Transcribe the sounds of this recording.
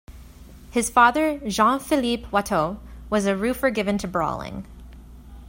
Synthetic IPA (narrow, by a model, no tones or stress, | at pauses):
hɨz̥fɑðə˞ʒɑ̃nfɨlipʰwɛtʰoʊwʌzɨɹʉfə˞ɡɪvɨ̃ntʰɨbɹɔ̰lˠɪ̰̃ŋ